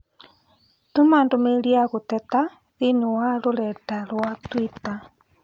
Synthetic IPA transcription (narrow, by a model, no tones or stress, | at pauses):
tumaːndomeliaɣotɛta | ðiniwaloɾɛtalwatwita